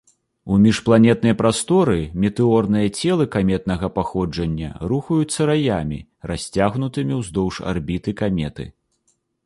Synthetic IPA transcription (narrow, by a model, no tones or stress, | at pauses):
umʲiʂplˠanʲɛt̪̚nɐjpɾast̪ɔɾɨmʲɛt̪ɨɔrnɨjɐt͡sʲɛlˠɨkamʲɛt̪̚n̪ɐɣɐpaxɔd͡ʐɐnʲːɐ̰ɾuxɐjut̪sːɐɾajamʲḭ | rasʲt͡sʲaɣnut̪ɨmʲiwzd̪ɔwʂa̰rbʲit̪ɨkamʲɛt̪ɨ̰